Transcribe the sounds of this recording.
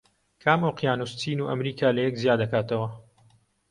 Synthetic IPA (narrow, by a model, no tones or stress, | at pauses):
kʰaːmoqjaːnust̪ʰiːnuːʔɐmɾiːkʰaːlɐjɛkzijaːd̪ɐkaːt̪ɐwɐ